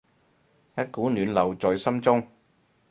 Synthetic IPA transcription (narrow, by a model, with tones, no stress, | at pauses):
jɐ˥t̚kuː˨˥nyː˨˧nlɐ˨˩wt͡sɔː˨jsɐ˥mt͡sʊ˥ŋ